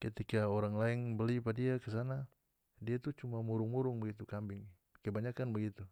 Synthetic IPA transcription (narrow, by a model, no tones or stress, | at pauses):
kət̪ikaoɾaŋlaɛŋbəlipadiakəs̬ana | diait̪ut͡ʃumamuɾʊŋmuɾʊŋbəɡit̪ukambɪŋ | kəbaɲakanbəɡit̪u